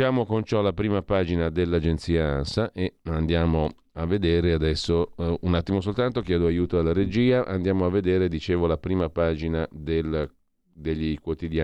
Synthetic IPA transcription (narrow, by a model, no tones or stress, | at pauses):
aːmokont͡ʃɔlapɾiːmapaːd͡ʒinad̪elːad͡ʒent̪siːaansaʔeand̪jaːmo | avːed̪eːɾead̪ɛsːounat̪ːimosolt̪ant̪okjɛːd̪oajuːt̪oalːaɾed͡ʒiːaʔa̰nd̪jaːmoavːed̪eːɾed̪it͡ʃeːvolapɾiːmapaːd͡ʒinad̪el | d̪eʎːikwot̪id̪jaː